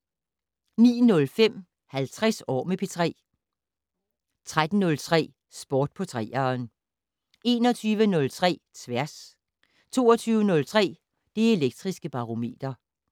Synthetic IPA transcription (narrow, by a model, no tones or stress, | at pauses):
nḭːnɔ̽lfem̰ | hælt͡sʰʁɛsɒ̰ːmepʰe̝t͡sʰʁɛ̰ː | t͡sʰʁad̥n̩nɔ̽lt͡sʰʁɛ̰ː | sb̥ɒːd̥̚pʰɒ̽t͡sʰʁɛ̰ːɐn | e̝ːnɒt͡sʰyːʋənɔ̽lt͡sʰʁɛ̰ːt͡sʰʋæɐs | t͡sʰo̝̰ːɒt͡sʰyːʊənɔ̽lt͡sʰʁɛ̰ː | d̥e̝e̝leɡ̥̚d̥ʁisɡ̥əb̥ɑ̈ʁo̝me̝̰ːd̥ɐ